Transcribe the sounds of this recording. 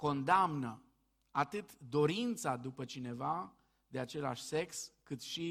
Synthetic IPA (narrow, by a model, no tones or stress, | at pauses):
ko̞nd̪amnə | at̪ɨt̪d̪o̞ɾint̪sad̪upət͡ʃine̞va | d̪e̞at͡ʃe̞la̰ʃʲse̞kskɨt̪ʃi